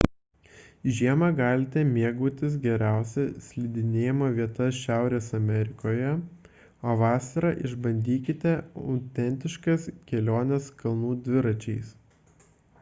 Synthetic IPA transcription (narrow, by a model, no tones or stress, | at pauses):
ʒʲiɛmɐɡɑːlʲɪt̪ʲɛmʲiɛɡuːt̪ʲɪs̬ɡʲɛɾʲæˑʊsʲɛsʲlʲiːd̪ʲɪnʲeːjɛmɐʋʲiɛt̪ɐsʃʲæˑʊɾʲeːsɐmʲɛɾʲɪkoːjɛ | oːʋɑːsɐɾɑʔɪʒbɐnʲd̪ʲiːkʲɪt̪ʲɛɐ̰ʊt̪ʲɛnʲt̪ʲɪʃkɐskʲɛlʲoːnʲɛskɐlˠnuːd̪ʲʋʲɪɾɐt͡ʃʲɛɪs